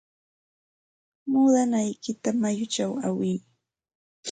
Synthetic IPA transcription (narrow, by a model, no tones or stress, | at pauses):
muːd̪anajkɪt̪amajʊt͡ʃawawɪŋ